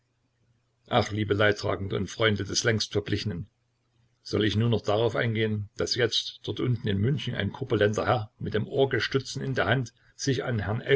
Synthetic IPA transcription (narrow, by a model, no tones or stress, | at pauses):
ʔaχliːbəlaɪtʁ̥a̰ːɡŋ̩dəʊ̰ntfʁ̥ɔʏndədɛslɛŋstfɛɐblɪçənən | z̥ɔlɪçnuːɐnɔχd̥aʁaʊfʔa̰ɪnɡeːənd̥asjɛt͡std̥ɔtʔʊntn̩ɪnmʏnçn̩a̰ɪnkʰʊpɐlɛndɐhɛɐmɪt̚d̥eːmʔoːɐɡəʃtʏt͡sn̩ɪndeːɐɦhant | z̥ɪça̰nɦɛnʔɛ